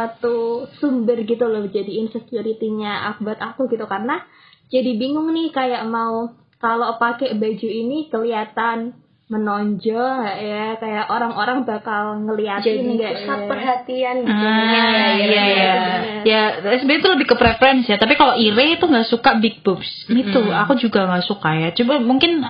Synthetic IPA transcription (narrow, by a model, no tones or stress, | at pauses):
sat̪usumbərɡit̪ulɔhd͡ʒadiːnsəkjuɾit̪iɲaʔa̰k̚bat̪ak̪uɡit̪ukarəna | d͡ʒadibiŋʊŋnɪhkajaʔmau | kalopakɛbad͡ʒuinikəliat̪an | mənoɲd͡ʒɔŋaʔjakajaʔoɾaŋʔoɾaŋbakalŋəliat̪nɡasapərɦat̪ianɡit̪uaijajajaɛsbɛt̪uləbɪhkəpɾefɾɛnsjat̪apikaloʔiɾet̪uŋɡaʔsukabik̚bʊps | ɡit̪uakud͡ʒuɡaŋɡaʔsukajat͡ʃubamuŋkɪn